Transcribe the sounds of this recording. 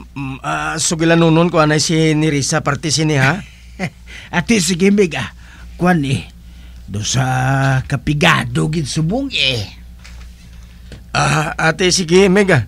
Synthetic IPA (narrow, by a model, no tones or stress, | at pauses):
asuɡilanununkuanaisiniɾisapart̪is̬iniɦa | at̪is̬iɡimeɡa | kuani | dosakapiɡadoɡit̪subuŋe | aɦːt̪isiɡimɛɡa